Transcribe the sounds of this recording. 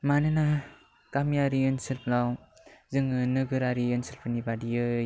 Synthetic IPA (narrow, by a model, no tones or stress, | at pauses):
manɯna | kamijaɾiɯnsɯlplawzɯŋɯnɯɡɯɾaɾiɯnsilpʰɯnibadijɯ